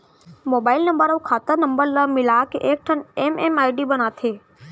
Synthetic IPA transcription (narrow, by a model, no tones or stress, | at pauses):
moːbaːɪlnə̃mbəɾɐwkʰaːt̪əɾnə̃mbəɾləmɪlaːkeʔeːk̚ʈʰənememaːɪɖibənaːt̪ʰeː